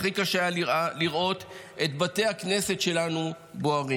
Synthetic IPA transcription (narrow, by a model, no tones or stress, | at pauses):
χikaʃeliʁʔo̞t̪ | et̪bat̪e̞jhakne̞setʃe̞lanu | boaʁi